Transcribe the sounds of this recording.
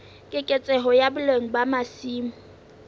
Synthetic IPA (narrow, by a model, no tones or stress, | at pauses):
kʼɪkʼet͡sʼɛɦɔjabʊleŋ̩bamasiːmʊ